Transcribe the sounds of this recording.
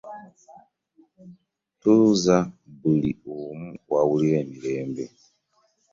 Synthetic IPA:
tuzabulḭumuwawuliɾemileːmbe

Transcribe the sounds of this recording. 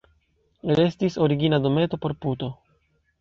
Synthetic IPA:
ɾe̞stiso̞ɾiɡinado̞me̞to̞po̞ɾputo̞

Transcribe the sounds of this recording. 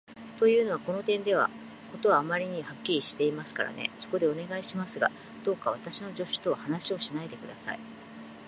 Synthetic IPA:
t̪o̞jɯ̟ːno̞βako̞no̞t̪ẽ̞nd̪e̞β̞a̰ | ko̞t̪o̞βaːmaɾʲiɲ̟ihakʲːiɾʲiɕi̥t̪e̞imasɨ̥ka̰ɾa̰ne̞̰so̞ko̞d̪e̞o̞ne̞ɡaiɕimasɨɡa̰ | d̪̥o̞ːkaβ̞at̪aɕino̞ʑo̞ɕɨ̥t̪o̞hanaɕio̞ɕinaed̪e̞kɯ̟d̪asa̰i

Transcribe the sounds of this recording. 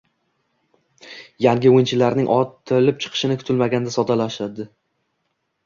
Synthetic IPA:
jaŋɡʲɪojɪnt͡ʃʰɪlaɾnɪŋʔɒt̪ʰɪlɪp̚t͡ʃʰɨ̥qʰɨ̥ʃɪnɪkʰʊ̥t̪ʰɪlmaɡʲand̪asɒd̪alaʃad̪ɪ

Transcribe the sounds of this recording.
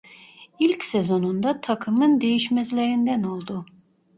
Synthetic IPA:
ilʲcsezo̞nund̪at̪ʰakʰɯmɯnd̪e̞jiʃmɛzlʲe̞ɾind̪æno̞lˠd̪u

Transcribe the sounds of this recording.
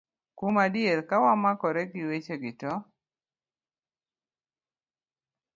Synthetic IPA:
kumadjeɾkawamakɔɾeɡɪwet͡ʃeɡɪtɔ

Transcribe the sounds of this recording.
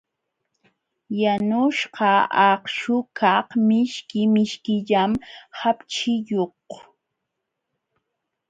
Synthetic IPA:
janʊʃqɑɑχʃʊkʰɑhmɪʃkɪmɪʃkɪʎamhapt͡ʃɪjoq

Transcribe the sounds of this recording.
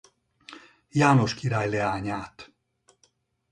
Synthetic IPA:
jaːno̞ʃkiɾaːjlɛaːɲaːt̪

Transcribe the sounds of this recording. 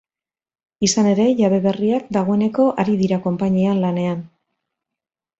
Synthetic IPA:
isane̞ɾe̞ʝaβe̞βe̞riakd̪aɣ̞o̞e̞ne̞ko̞ʔaɾiðiɾako̞mpaɲianlane̞an

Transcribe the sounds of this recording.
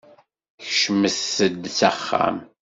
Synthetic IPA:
çʃəməθəd̪t͡sæχːa̰m

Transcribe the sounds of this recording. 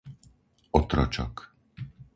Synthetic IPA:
ɔt̪ɾɔ̰t͡ʃɔ̰k

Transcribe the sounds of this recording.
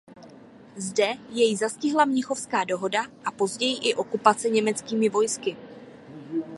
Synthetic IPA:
zdɛjɛjzascɪɦlamɲɪxo̞fskaːdo̞ɦo̞daʔapo̞zɟɛjɪʔɪʔo̞kupat͡sɛɲɛmɛt͡skiːmɪvo̞jskɪ

